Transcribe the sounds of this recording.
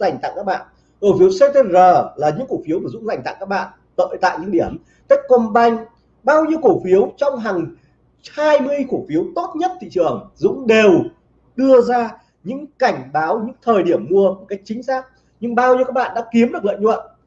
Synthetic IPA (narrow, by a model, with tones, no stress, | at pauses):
za˨˩jŋ̟t̪a̰˧˨ŋkaː˦˥k̚ɓa̰ː˧˨n | ko˧˩fi˨˦əwse˧t̪e˧zəː˨˩laː˨˩ɲɨ̰˧˥ŋk̚fi˨˦əwkiː˧˩zʊ̰˧˥ŋ͡mza˧˩jŋ̟t̪a̰˧˨ŋkaː˦˥k̚ɓa̰ː˧˨n | t̪ə̰ː˧˨jt̪a̰ː˧˨jɲɨ̰˧˥ŋɗi˧˩əm | t̪a˦˥ko˨˧˩nɓa˨˩jŋ | ɓaː˧wɲi˧əwko˧˩fi˨˦əwt͡ɕɔ˧wŋ͡mɦa˨˩ŋ | haː˧jmɨ˧əjxo˧˩fi˨˦əwt̪o˦˥t̚ɲə˦˥t̚t̪ʰḭ˧˨t͡ɕɨ˨˩əŋzʊ̰˧˥ŋ͡mɗe˨˩w | ɗɨ˧əzaː˧ | ɲɨ̰˧˥ŋka˧˩jŋ̟ɓaː˨˦wɲɨ̰˧˥ŋt̪ʰəː˨˩jɗi˧˩əmːu˧əku˧˩ka˦˥jk̚t͡ɕï˨˦ŋ̟saː˦˥k̚ | ɲɨ˧ŋɓaː˧wɲi˧wkaː˦˥k̚ɓa̰ː˧˨ɗaː˧˥ki˨˦əmɗɨ˨˩k̚lə̰ː˧˨jɲwə̰˧˨n